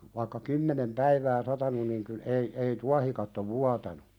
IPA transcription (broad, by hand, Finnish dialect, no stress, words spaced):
ʋɑĭkːɑ kymːenem pæiʋæː sɑtɑnun niŋ kyl ei ei tuɑhikɑtːo ʋuɑtɑnu